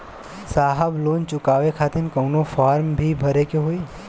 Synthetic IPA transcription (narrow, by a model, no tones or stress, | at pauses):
saːɦəbloːnt͡ʃʊkaːʋekʰaːt̪ɪnkɐʊnofaːɾmbʱibʱɐɾekeɦoːi